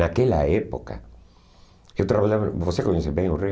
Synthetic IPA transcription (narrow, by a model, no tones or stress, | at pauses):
akeʎaepoka̰ | et̪ɾaβalaβbosekoɲesebẽŋure